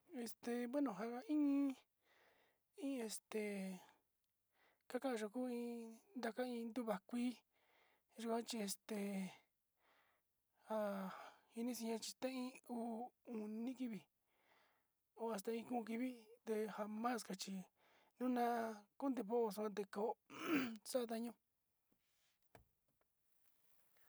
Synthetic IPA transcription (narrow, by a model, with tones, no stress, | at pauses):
e˧st̪e˧βe˦nõ˨ɦa˧a˧ĩ˦ĩ˦ | ĩ˦e˧st̪e˨ | ka˦kã˦ʔã˧ʒo˧kuː˦ĩ˧˦nd̪a˧ka˦ĩ˧nd̪u˦βa˨˧kʷi˦ | ʒu˧kʷã˦t͡ʃi˧e˧st̪e˨ | ha˧hi˧nĩ˦sĩ˧ɲã˧t͡ʃi̥˧t̪ã˦ĩ˦uː˦u˨nĩ˦ki˦βi˨ | o˧a˧s̬t̪a˧ĩ˧kũ˦˧k̬i˧βi˦d̪e˧ha˧mã˦˨ska˧t͡ʃi˧ | nũ˦nã˦ku˦nd̪e˧βo˦ʔo˧s̬u˧ã˧d̪e˧ko˨˦sa˦a˧t̪̬a˧ɲũ˦